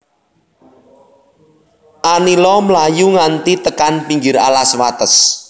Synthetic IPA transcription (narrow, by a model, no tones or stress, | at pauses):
ʔanilɔmlajuŋant̪it̪əkanpiŋɡɪɾa̰laswat̪əs